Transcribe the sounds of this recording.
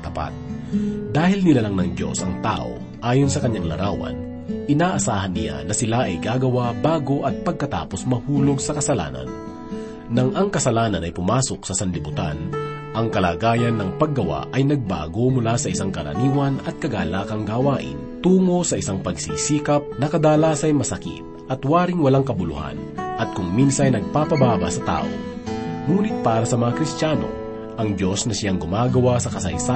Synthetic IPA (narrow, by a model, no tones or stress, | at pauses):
t̪ɐpa̰t̪̚d̪aːhɪlnɪlalaŋnɐŋd̪jo̞̰sɐŋt̪a̰ːʔo̞̰ | ʔaːjonsɐkɐɲːaŋlɐ̰ɾʔawɐ̰n | ʔɪnaːʔɐsaːhɐnːɪja̰nɐsɪlaʔɐjɡaːɡɐwabaːɡo̞ʔɐt̪̚pɐɡ̚kɐt̪a̰ːposmɐhuːlo̞ɡsɐkɐsɐla̰ːnɐ̰nː | ɐŋʔɐŋkɐsɐlaːnɐnɐjpʊmaːsok̚sɐsɐnlɪbʊt̪a̰n | ʔɐŋkɐlaːɡaːjɐnːɐŋpɐɡːɐwa̰ʔɐjnɐɡ̚ba̰ːɡo̞mʊlasɐʔɪsaŋkɐɾɐ̰niːwɐnɐt̪̚kɐɡaːlaːkɐŋɡawaːʔɪ̰nt̪uːŋo̞sɐʔɪsaŋpɐɡsiːsiːkɐp̚nɐkɐd̪aːlaːsɐjmɐsɐkḭt̪̚ʔɐt̪waːɾɪŋwɐlaŋkɐbʊlʊ̰ha̰nʔɐt̪̚kʊŋminsɐjnɐɡ̚papɐbaːbɐsɐt̪a̰ːʔo̰ | ŋuːnɪt̪̚paːɾɐsɐmɐŋakɾɪst̪jaːno̞̰ | ʔɐŋd̪jo̞snɐsɪjaŋɡʊmaːɡɐwasɐkɐsɐ̰jsa